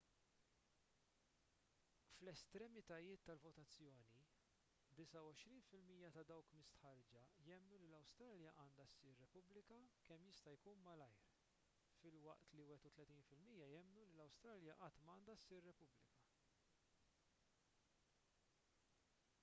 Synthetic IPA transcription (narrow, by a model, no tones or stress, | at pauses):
flɛst̪ɾɛmɪt̪ɐjɪːt̪ːɐlvɔt̪ɐt͡sːjɔːni | d̪ɪsɐwɔʃɾiːnfɪlmiːjɐt̪ɐd̪ɐwkmɪst̪ħɐɾd͡ʒɐjɛmːnulilɐwst̪ɾɐːljɐʔɐːnd̪ɐsːɪːɾːɛpʊblɪkɐkɛmːjɪst̪ɐjkuːnmɐlɐjɾ | fɪlwɐ̰ʔt̪liwɛt̪ut̪lɛt̪iːnfɪlmiːjɐjɛmːnulilɐwst̪ɾɐljɐʔɐt̪ːmɐːnd̪ɐsːɪːɾːɛpʊblɪ̰kɐ